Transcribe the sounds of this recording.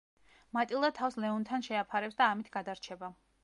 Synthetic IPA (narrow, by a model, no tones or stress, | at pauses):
mat̪ʼilˠat̪ʰafslɛɔnt̪ʰanʃɛapʰaɾɛpsd̪aːmit̪ʰɡad̪aɾt͡ʃʰɛba